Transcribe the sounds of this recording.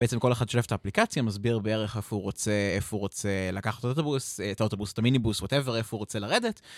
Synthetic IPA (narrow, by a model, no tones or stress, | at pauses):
beet͡semkoleχad̪ʃolefetaːplikat͡sjamazbiʁbeeʁeχefuʁot͡seefuʁot͡selakaχattaot̪obustao̞tobustaminibuswote̞veʁefuʁot͡selaʁedet